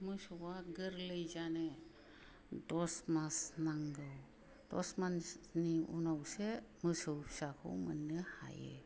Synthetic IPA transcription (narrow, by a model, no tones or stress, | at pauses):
məsuwaɡəɾləjd͡ʒane | dɔsmasnaŋɡəw | d̥ɔsmanniṵnawseməsəwsakʰo̰wmənːəha̰jḛ